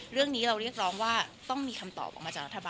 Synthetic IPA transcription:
ɾɯ˥˩əŋniː˦˥ɾa˧wɾi˥˩ək̚ɾɔː˦˥ŋwaː˥˩t̪ɔ˥˩ŋmiː˧kʰa˧mt̪ɔ̰ː˨˩p̚ʔɔː˨˩ma˧a˨˩ɾa˦˥t̪ʰːa˧baː˧

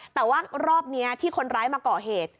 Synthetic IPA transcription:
t̪ɛː˨˩waː˥˩ɾɔː˥˩p̚ni˦˥ɐt̪ʰiː˥˩kʰo˧nɾaː˦˥jmaː˧kɔː˨˩ɦeː˨˩t̪̚

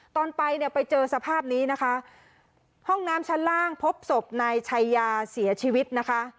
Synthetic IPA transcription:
t̪ɔː˧npa˧jni˥˩pa˧jt͡ɕɤː˧sa˧pʰaː˥˩p̚niː˦˥na˦˥kʰa˦˥ʔ | hɔ˥˩ŋnaː˦˥mt͡ɕʰa˦˥nlaː˥˩ŋpʰo˦˥p̚so˨˩p̚naː˧jt͡ɕʰa˧jːaː˧si˩˦ɐt͡ɕʰiː˧wi˦˥t̪̚na˦˥kʰa˦˥ʔ

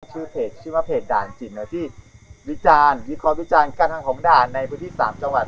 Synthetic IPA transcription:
t͡ɕʰɯː˧˥˩pʰeː˨˩t̪̚t͡ɕʰɯː˥˩wa˦˧˥pʰeː˨˩t̪̚daː˨˩nt͡ɕi˨˩n̚ːɯ˧˦˥t̪ʰiː˥˩wi˦˥t͡ɕaː˧nwi˦˥kʰɔː˧˥wi˦˥t͡ɕaː˧nkaː˧˥˩t̪ʰaː˧˥ŋkʰɔː˩˦ŋdaː˨˩nːa˧jpʰɯː˧˦˥nt̪ʰiː˥˩saː˩˦mt͡ɕa˧ŋwa˨˩t̪̚

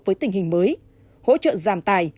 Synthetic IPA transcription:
vəː˨˦jt̪ï˨˩ŋ̟hï˨˩ŋ̟məː˨˦j | ho̰˧˥t͡ɕə̰ː˧˨zaː˨˩mt̪aː˨˩j

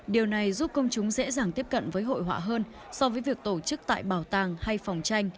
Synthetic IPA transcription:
ɗi˨˩əwna˨˩jzu˦˥p̚kə˧wŋ͡mt͡ɕʊ˨˦ŋ͡mzɛ̰˧˥zaː˨˩ŋt̪i˦˥əp̚kə̰˧˨nvəː˨˦jɦo̰˧˨jɦwa̰ː˧˨ɦəː˧n | sɔ˧vəː˨˦jvi˨˩ək̚t̪o˧˩t͡ɕɨ˦˥k̚t̪a̰ː˧˨jɓaː˨˩wt̪aː˧˩ŋha˧jfɔ˨˩wŋ͡mt͡ɕa˧jŋ̟

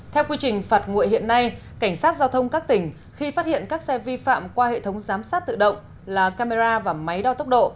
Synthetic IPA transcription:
t̪ʰɛ˧wkwi˧t͡ɕï˨˩ŋ̟faː˨˩t̚ŋṵ˧˨əjhḭ˧˨ənːa˧j | ka˧˩ŋ̟saː˦˥t̚zaː˧wt̪ʰə˧wŋ͡mkaː˦˥k̚t̪ï˧˩ŋ̟ | xi˧faː˦˥hḭ˧˨ənkaː˦˥k̚sɛ˧vi˧fa̰ː˧˨mkwaː˧hḛ˧˨t̪ʰə˨˦wŋ͡mzaː˨˦msaː˦˥t̚t̪ɨ̰˧˨ɗə̰˧˨wŋ͡m | laː˨˩kaː˧me˧zaː˧vaː˨˩ma˨˦jɗɔ˧t̪ə˦˥wk͡p̚ɗo̰˧˨

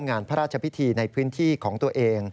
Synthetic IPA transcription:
mŋaː˧npʰa˦˥ɾaː˥˩t͡ɕʰa˧pʰi˦˥t̪ʰiː˧na˧jpʰɯː˦˥nt̪ʰiː˥˩kʰɔː˩˦ŋt̪u˧ɐʔeː˧ŋ

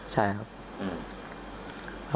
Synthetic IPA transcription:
t͡ɕʰa˥˩jka˦˥p̚ | ʔɯː˨˩

